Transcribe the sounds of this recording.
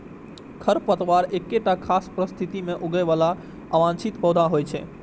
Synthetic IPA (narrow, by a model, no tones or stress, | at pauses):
kʰəɾpət̪əʋaɾekːeʈakʰaspɾəst̪ʰit̪imeʔoɡəjʋala | aʋãnt͡ʃʰit̪pɔd̪ʱaɦojt͡ʃʰɛ̰